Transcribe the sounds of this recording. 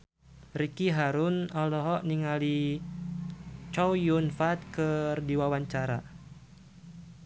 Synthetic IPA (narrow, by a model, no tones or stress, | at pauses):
rikiɦaɾunɔlɔɦɔʔniŋali | t͡ʃɔwjunfat̪̚kɨrdiwawaɲt͡ʃaɾa̰